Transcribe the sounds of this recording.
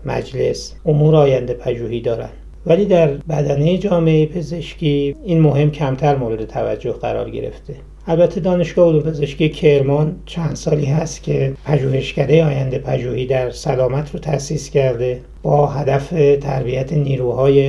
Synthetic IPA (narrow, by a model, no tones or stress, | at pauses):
mæ̰d͡ʒle̞sʔomuːɾɒːjænd̪e̞pʰæʒuːhiːd̪ɒːɾæ̰nd̥̪ | væliːd̪æɾbæd̪æne̞jed͡ʒɒːmeejepʰe̞ze̞ʃcʲiːiːnmo̞ɦe̞mcʰæmt̪ʰæɾmoːɾe̞d̪e̞t̪ʰævæ̰d͡ʒːohɡæɾɒ̰ːɾɟe̞̰ɾe̞̰ft̪e̞ | ʔælbæt̪ʰːe̞d̪ɒːne̞ʃɡ̥ɒːhod̪umpʰe̞ze̞ʃkʲiecʰe̞ɾmɒnt͡ʃʰænd̪̥sɒːliːɦæst̪cʲʰe̞pʰæʒuːhe̞ʃcæd̪e̞jeɒːjænd̪e̞pʰæʒuːhiːd̪æɾsælɒːmæt̪ʰɾot̪ʰæsiːscʰæɾd̪e̞ | b̥ɒːɦæd̪æfet̪ʰæɾbiæt̪ʰe̞niːɾuːhɒːje̞